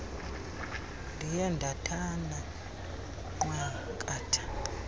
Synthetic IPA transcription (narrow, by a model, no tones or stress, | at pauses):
ndijandʱatʰana | ŋwɛkʼaːtʰḁ